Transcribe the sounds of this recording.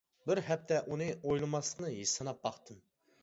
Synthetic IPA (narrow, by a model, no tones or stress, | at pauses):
bɪɾɦɛp̚t̪ʰɛʔunɨʔojlˠɨmɑslˠəqnɨjisɑnɑp̚bɑχt̪ʰɨm